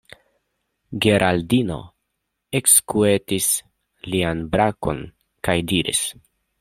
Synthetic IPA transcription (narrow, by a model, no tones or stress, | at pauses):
ɡeɾʔaldino̞̰ | ekskuetis | lianbɾako̞̰n | kajdiɾḭs